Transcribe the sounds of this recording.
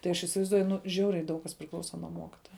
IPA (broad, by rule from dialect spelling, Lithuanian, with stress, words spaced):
tɐɪ ˈɐʃ ɪsʲɪʋɐɪzˈduɔjʊ ˈnʊ ˈʒʲɛʊrʲɛɪ ˈdɐʊk kɐs pʲrʲɪˈklˠɐʊsɐ nuɔ ˈmoːkʲɪtoːjɛ